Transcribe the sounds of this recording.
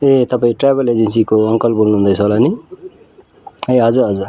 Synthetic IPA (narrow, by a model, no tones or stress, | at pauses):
et̪ʌpaĩʈrajbʌled͡zensikoʌŋkʌlbʱolnuɦund̪ʌjt͡sʰʌlani | eɦʌd͡zuɾɦʌd͡zur